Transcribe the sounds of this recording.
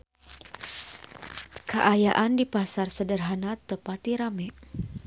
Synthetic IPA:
kəʔajaʔandipasarsədərɦanat̪ːəpat̪iɾamɛ

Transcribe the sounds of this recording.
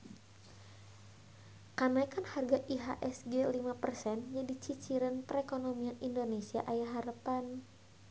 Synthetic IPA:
kanajkanharɡaʔiɦaʔɛsɡɛlimapərsɛnd͡ʒadit͡ʃit͡ʃiɾanpəɾekonomianʔindonesia̰ʔajaɦaɾəpan

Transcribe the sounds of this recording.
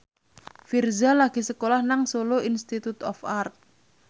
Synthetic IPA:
firzalaɡ̥i̤səkolahnaŋsoloinst̪it̪ut̪ɔ̰fart̪̚

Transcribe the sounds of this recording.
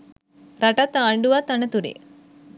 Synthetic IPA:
ɾaʈat̪aːɳɖuʋɐt̪anət̪uɾḛ

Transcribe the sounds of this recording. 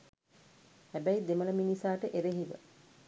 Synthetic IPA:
hæbæjid̪emələminisaːʈəʔeɾeɦiʋə̰

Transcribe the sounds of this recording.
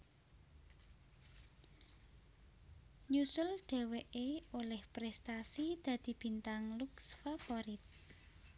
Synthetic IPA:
ɲusʊlɖ̪̥e̤weʔeolɛhpɾɛst̪asid̪̥ä̤d̪̥i̤b̥i̤nt̪aŋluksfafoɾit̪̚

